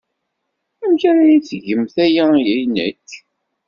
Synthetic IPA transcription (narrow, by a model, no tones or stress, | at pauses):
æmçæɾæjit͡sːʝəmθæjæjæjnæ̰kː